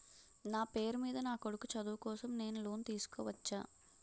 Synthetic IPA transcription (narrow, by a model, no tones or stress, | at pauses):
naːpe̞ːɾmiːd̪ɐnaːkoɽukut͡ʃɐd̪uːkɔːsɐmne̞ːnulo̞ːnt̪iːsu̥kɔːʋɐt͡ʃːa̰ː